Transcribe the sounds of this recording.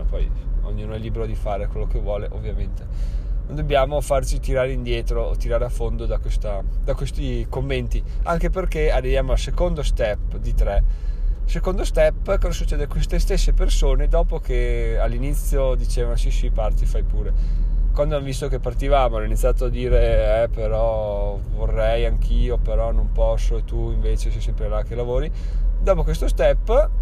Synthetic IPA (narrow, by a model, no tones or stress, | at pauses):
apɔjo̰ɲːuːnoɛlːiːbeɾod̪ifaːɾekwelːokevwɔːleʔovːjament̪enond̪objaːmofart͡ʃit̪iɾaːɾeind̪jɛːt̪ɾot̪iɾaːɾeafːond̪od̪akwest̪ad̪akwest̪ikomːent̪iaŋkeperkeadːevjaːmoalsekond̪ost̪ɛpːd̪it̪ɾɛsekond̪ost̪ɛpːkɔzasut͡ʃːeːd̪ekwest̪est̪esːepersoːned̪ɔːpokealːinit̪sːjod̪it͡ʃeːvanosisipart̪ifajpuːɾekwand̪oanvist̪okepːart̪ivaːmoanoinit̪sːjaːt̪oad̪iːɾeɛpeɾɔ | vorːɛjaŋkʰiːopeɾɔnompɔsːoet̪ːuiɱveːt͡ʃesɛjsɛmpɾelak̟elavoːɾi | d̪ɔːpokwest̪ost̪ɛpː